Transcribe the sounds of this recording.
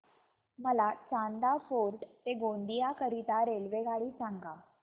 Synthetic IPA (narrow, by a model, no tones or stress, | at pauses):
məlat͡sãnd̪afoɾʈt̪eɡond̪ijakəɾit̪aɾelʋeɡaɭiːsãŋɡa